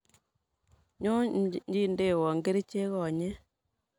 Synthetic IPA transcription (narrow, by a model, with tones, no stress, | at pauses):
ɲo˦ɲd͡ʒi˦˨nde˦˨wɔ˨ŋɡe˦ɾi˦t͡ʃe˦ɣɔ˨ɲe˦